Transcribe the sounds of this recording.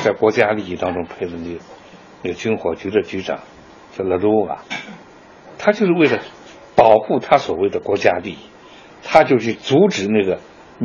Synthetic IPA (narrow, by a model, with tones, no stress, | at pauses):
t͡sa˥˩ɪkwɔ˧˥t͡ɕja˥li˥˧i˥˩t̪ɑ˥ŋʈ͡ʂʊ˥ŋpʰe˥˩ɪlə˩ne˥˩ɡə˩ | ne˥˩ɡə˩t͡ɕy˥nxwɔ˧˥t͡ɕy˧˥d̪ə˧t͡ɕy˧˥ʈ͡ʂɑ̰˨˩˦ŋ | t͡sə˥˩lə˧˥lu˥ɐ̰˩ | t̪ʰa˥t͡ɕjo˥˧ʊʂɻ̩˥˧we˥˩ɪlə˩ | pɑ˨˩ʊxu˥˩t̪ʰa˥swɔ˨˩we˥˩ɪd̪ə˩kwɔ˧˥t͡ɕja˥li˥˩i˥˩ | t̪ʰa˥t͡ɕjo˥˧ʊɕʰy˥˩t͡su˧˥ʈ͡ʂɻ̩˨˩na˥˩ɡə˩